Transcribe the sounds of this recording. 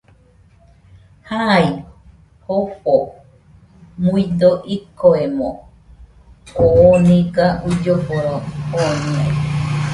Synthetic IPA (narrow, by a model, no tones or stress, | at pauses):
hai | hoɸo | muid̪oʔikoemo̰ | oːniɡaʔud͡ʒoboɾooɲia̰j